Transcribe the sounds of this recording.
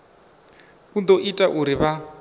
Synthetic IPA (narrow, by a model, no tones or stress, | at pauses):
kund̪oʔitʼaʔuɾiβa